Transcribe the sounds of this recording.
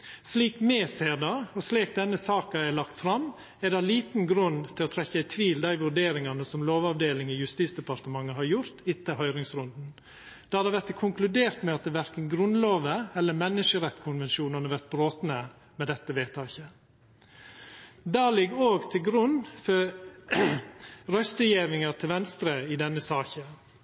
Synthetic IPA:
sliːkmeːseːɾd̪ɑɔsleːk̚d̪ɛnːəsɑːkɑæɪlɑkt̪fɾɑm | ɛɾd̪ɑliːt̪n̩ɡɾʉnt̪ʰɪlɔt̪ʰɾɛçæɪt̪ʰʋiːld̪æɪʋʉɾɖeːɾɪŋɑnəsɔmloːʋɑʋd̪eːlɪŋəjʉst̪iːt̪sd̪əpɑɾt̪əmɑŋːəɦɑɾjʊɾt̪ʰɪt̪ːəhœʏɾɪŋsɾʉnd̪n̩ | d̪̥ɑhɑɾd̪ɛʋæɾt̪kʰʊŋklʉd̪eːɾt̪mɛɑt̪̚d̪ɛʋæɾkənɡɾʉnloːʋəɛlːəmɛnːɪʂəɾɛt̪ːkʰʊnʋɛnʃuːnɑnəʋæɾt̪̚bɾoːt̪nə | mɛd̪ɛt̪ːəʋeːt̪ʰɑːçə | d̪ɑːlɪɡːoːɡt̪ʰɪlɡɾʉnːfɔ | ɾœst̪əjeːʋɪŋɑt̪ʰɪlʋɛnst̪ɾəɪd̪ɛnːəsɑːçə

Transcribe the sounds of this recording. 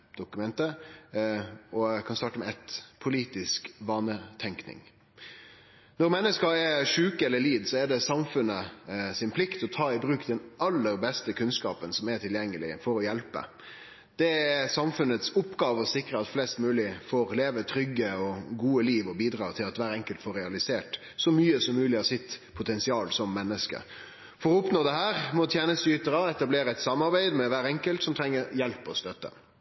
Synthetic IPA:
d̪̥ʊkʉmɛnt̪ə | ɔkʰɑnst̪ɑʈəmɛæt̪pʰʊliːt̪ɪskʋɑːnət̪ʰɛŋknɪ̰ŋ | nɔɾmɛnːəskɑɛʂʉːkəɛlːəliːd̪sɔɛɖɛsɑmfʉnːəsɪnpʰlɪkt̪ɔt̪ʰɑːɪbɾʉːkd̪ɛnʔɑlːəɾbɛst̪əkʰʉnskɑːpənsɔmɛʈʰɪljɛŋːəlɪ̰fɔɾɔjɛlpə̰ | d̪̥ɛɛsɑmfʉnət̪sʊpːɡɑːʋəɔsɪkɾəɑt̪flɛst̪mʉːlɪfoːɾleːʋət̪ʰɾʏɡːəɔɡuːəliːʋɔbiːd̪ɾɑːt̪ʰɪlɑt̪ʋæːɾəɛŋkəlt̪foːɾɛɑlɪseːʈ | sɔmyːəsɔmːʉːlɪhɑsɪt̪pʰʊt̪ʰɛnsɪɑːlsɔmːɛnːəskə̰ | fɔɾɔʊpnoːd̪ɛɦæːɾmɔt̪ʰjæːnəst̪yːt̪əɾɑɛt̪ɑbleːɾəɛt̪sɑmːɑɾbæɪd̪mɛʋæːɾɛŋkəlt̪sɔmt̪ʰɾɛŋːəɾjɛlpɔst̪œt̪ːə̰

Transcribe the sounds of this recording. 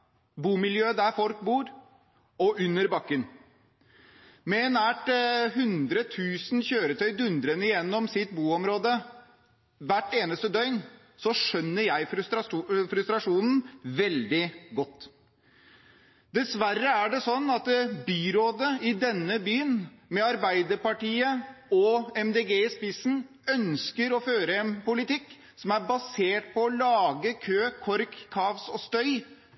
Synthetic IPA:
buːmɪljøːəd̪æfɔlk̚buːɾ | ɔʔʉnːəɾbɑkːən | mɛɛnæːʈɦʉnd̪ɾət̪ʰʉːsn̩çøːɾət̪ʰœʏd̪ʉnd̪ɾənəɪjɛnːɔmsɪt̪buːɔmɾoːd̪ə | ʋæʈːeːnəst̪əd̪œʏn | sɔʂœnːəɾjæɪt̪ːfɾʉst̪ɾɑʂuːnn̩ʋɛld̪ɪɡɔt̪ː | d̪ɛsʋæɾːəæɖɛsɔnːɑt̪byːɾoːd̪əɪd̪ɛnːəbyːnmɛɑɾbæɪd̪əɾpɑʈiːəɔɛmd̪eːɡeːspɪsn̩ | œnskəɾɔføːɾəɛnpʊlɪt̪ɪkː | sɔmæɾbɑseːʈpɔːlɑːɡəkʰøːkʰɔɾkʰːɑːʋsɔst̪œʏ

